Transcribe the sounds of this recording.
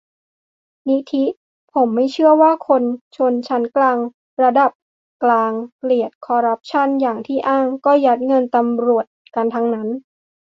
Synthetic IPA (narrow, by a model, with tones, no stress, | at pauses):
ni˦˥t̪ʰi˦˥ | pʰo˩˦mːa˥˩jt͡ɕʰɯ˥˩ɐwaː˥˩kʰo˧nt͡ɕʰo˧nt͡ɕʰa˦˥nklaː˧ŋ | ɾa˧da˨˩p̚ | klaː˧ŋpli˨˩ət̪̚kʰɔː˧ɾa˦˥p̚t͡ɕʰa˥˩njaː˨˩ŋt̪ʰiː˥˩ʔaː˥˩ŋkɔː˥˩ja˦˥t̪̚ŋɤ˧nt̪a˧mɾu˨˩ət̪̚ka˧nt̪ʰa˦˥ŋna˦˥n